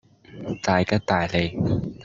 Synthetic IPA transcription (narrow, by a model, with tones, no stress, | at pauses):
t̪aː˨˩jka˥t̪aː˨˩jle˨˧j